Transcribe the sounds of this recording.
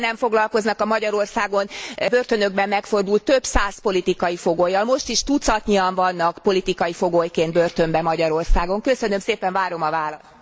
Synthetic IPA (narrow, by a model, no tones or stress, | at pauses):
nɛɱfoɡlɒlko̞znɒkɒmɒɟɒɾo̞rsaːɡo̞nbørt̪ø̞nø̞ɡ̚bɛmːɛkfo̞rd̪ult̪ːø̞bsaːspo̞lit̪ikɒjifo̞ɡoːjːɒlmo̞ʃt̪iʃt̪ut̪sɒt̪ɲiɒɱvɒnːɒkpo̞lit̪ikɒjifo̞ɡoːjkeːnd̪̚børt̪ø̞mbɛmɒɟɒɾo̞rsaːɡo̞ŋkø̞sø̞nø̞mseːpɛɱvaːɾo̞mɒvaːlɒ